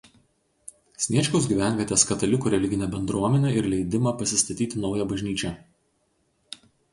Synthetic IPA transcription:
sʲnʲiɛt͡ʃʲkʲoʊs̬ɡʲiːˑʋʲæˑnʲʋʲiɛt̪ʲeːskɐt̪ɐlʲɪkuːɾʲɛlʲɪɡʲɪnʲɛbʲɛnd̪ɾuɔmʲɛnʲɛɪɾlʲɛɪd̪ʲɪmɐpɐsʲɪst̪ɐt̪ʲiːt̪ʲɪnɒʊjɛbɐʒʲnʲiːt͡ʃʲɛ

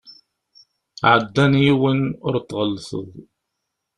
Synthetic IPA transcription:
ʕəd̪ːænjiwənʊɾt̪ːʁəlːsə̰ðˤ

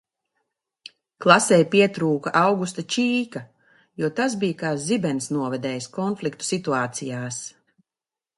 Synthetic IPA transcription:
klˠasɛjpiɛt̪ɾuːkaʔɑwɡust̪at͡ʃiːka | juɔt̪as̬bijakaːzibɛnsnuɔvɛd̪ɛːjskɔnflikt̪u̥sit̪uaːt̪sijaːs

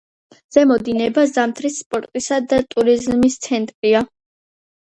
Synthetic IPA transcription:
z̥ɛmɔd̪inɛbazamt̪ʰɾisːpʼɔɾt̪ʼisad̪at̪ʼuɾizmist̪sʰɛnt̪ʼɾia

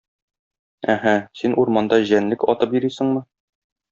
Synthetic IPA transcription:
æɦæsinʔuɾmɑnd̪ɑʑænlɘkɒt̪ɤpjɵ̆ɾisɘ̆ɴmɤ

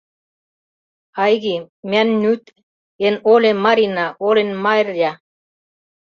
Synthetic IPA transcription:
ɑjɣimʲænːyt̪ | enolʲemɑɾinɑolenmɑrjɑ

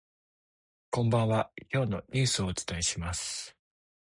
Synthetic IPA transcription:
kõ̞mbãɰ̃akʲo̞ːno̞ɲʲɨ̟ːsɨo̞ːt͡sɨ̥t̪aeɕimasɨ̥

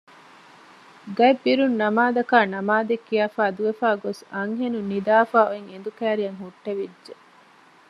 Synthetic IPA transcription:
ɡɐebːiɾunːɐmaːd̪ɐkaːnɐmaːd̪ekːiaːfaːd̪uʋefaːɡosɐŋɦenunid̪aːfaːoeŋend̪ukæːɾijɐŋɦuʈːeʋidʒe

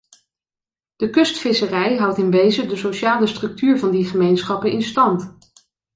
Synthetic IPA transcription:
d̥əkɵstfɪsərɛjɦɑwtɪnʋejzədəsowʃaːləstrɵk̚tyːɹvɑndiχəmejnsχɑpənɪnstɑnt

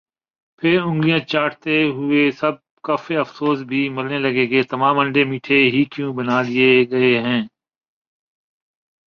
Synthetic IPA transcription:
pʰɪɾʊ̃ŋɡlijãt͡ʃaːʈʰt̪eɦʊesɐb̚ | kaːfeɐfsoːsbʱimɐɾnelɐɡeɡɐet̪ɐmaːmɐ̃ɳɖemiːʈʰeɦikjũbɐnaːlɪeɡɐeɦɛ̃ː

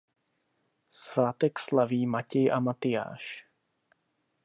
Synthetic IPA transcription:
svaːt̪ɛkslaviːmacɛjʔamat̪ɪja̰ːʃ

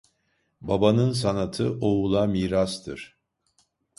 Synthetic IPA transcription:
babanɯnsanat̪ʰɯʔoulˠamiːɾast̪ʰɯɾ̥

